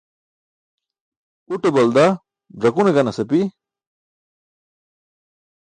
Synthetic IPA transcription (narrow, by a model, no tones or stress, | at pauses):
uʈebɐld̪a | bɾɐkuneɡɐnɐsɐpi